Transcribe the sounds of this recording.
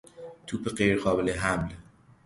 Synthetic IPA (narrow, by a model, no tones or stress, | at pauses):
t̪ʰuːpeɢejɾɢɒːbeleɦæml